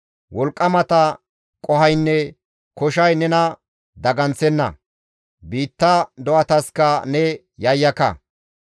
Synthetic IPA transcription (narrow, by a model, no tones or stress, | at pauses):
wɔlkʼːɐmɐt̪ɐ | kʼɔɦɐjnːɛ | kɔʃɐjnɛnɐ | d̪ɐɡɐnt͡sɛnːɐ̰ | biːt̪ːɐd̪ɔʔɐt̪ɐskɐnɛ | jɐjːɐkɐ̰